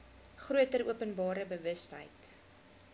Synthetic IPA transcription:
χruətəɾuəpənbɑːɾəbəvəstɦə̰jt

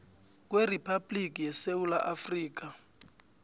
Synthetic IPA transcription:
k̬weripʰablikʼijɛsewulaʔafriːk̬a

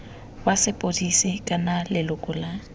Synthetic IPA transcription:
wasɪpʼodisɪkʼanalɪlʊkʼʊla

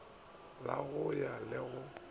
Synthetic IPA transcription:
la̰ɣʊjalɪɣʊ

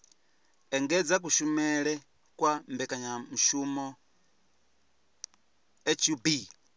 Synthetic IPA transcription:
eŋɡed͡zak̬uʃumele | kwambekaɲamuʃumo | et͡ʃubi

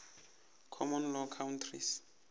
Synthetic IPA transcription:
kʰɔmɔnlɔkʰawntʰris

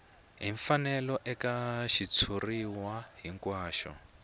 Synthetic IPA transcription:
ɦiɱfanɛlɔʔɛkaʃit͡sʰuriwaɦiŋkwaːʃɔ̰

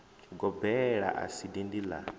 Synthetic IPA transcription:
ɡɔbɛɺa̰ʔa̰sidindila̰

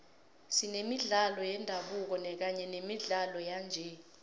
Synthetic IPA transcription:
sinemiɮalɔjɛndʱaɓuk̬ɔnɛk̬aɲɛnemiɮalɔjand͡ʒʱɛ

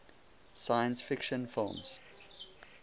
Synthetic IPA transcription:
saɪə̃nsfɪkʃə̃nfɪlˠmz̥

